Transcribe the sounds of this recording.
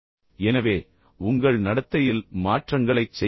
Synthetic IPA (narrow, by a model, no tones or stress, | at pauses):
ɛnɐʋeː | ʊŋɡɐɭnɐɽɐt̪ːɐjɪlmaːʈrɐŋɡɐɭɐɪt͡ʃːɛ